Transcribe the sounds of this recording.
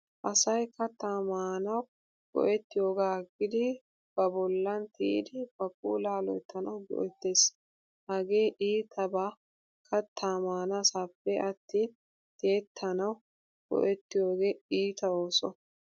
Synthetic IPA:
ʔɐsɐjkɐt̪ːaːmaːnɐw | ɡ̥ɔ̰ʔɛt̪ːɪjo̞ːɡaːɡɪd̪ɪ | b̥ɐbɔlːɐnt̪ḭːd̪ɪbɐkʼːṵːlaːlɔ̰jt̪ʰːɐnɐwɡɔ̰ʔɛt̪ːe̞ːs | hɐɡe̞ːʔiːt̪ʰɐbaː | kʰɐt̪ʰːaːmaːnasaːpːɛɐt̪ːi | t̪eːt̪ʰːɐnɐw | ɡ̥ɔ̰ʔɛt̪ːɪjo̞ːɡeːiːt̪ɐo̞ːsɔ

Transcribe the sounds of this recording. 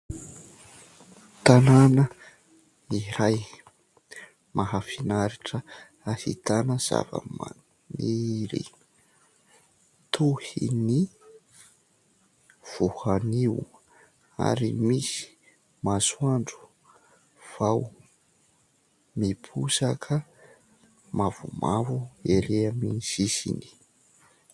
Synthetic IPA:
t̪ananə | iɾaj | mʔaɦafinaɾiʈ͡ʂə | ahḭt̪anəz̥a̰və̰ma̰n | niɾḭ | t̪ʰuhḭni | v̥uhaniw | a̰ɾimisi̥ | masuaɳɖ͡ʐu̥ | v̥aw | mipʰusakʰə | mavṵmavueɾeaminz̥isḭni̥

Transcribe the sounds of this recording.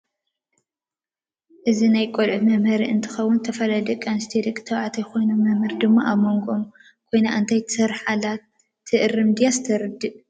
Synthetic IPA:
ʔɨzinajkʼolʕumɐmhɐɾiɨnt̪ʰɨ̥xɐwːʊnt̪ʰɐfɐlɐd̪ɨkʼanst̪ʰid̪ɨkʼːt̪ʰɐwʕat̪ʰɐjko̞jnomːɐmhɨɾd̪ɨmːaʔamːoŋɡom | kʰo̞jnaʔɨnt̪ʰajt̪ʰɨ̥sɐɾħala | ɨʔɨrɨmd̪ijazt̪ʰɐɾɨd̪ːɨʔ

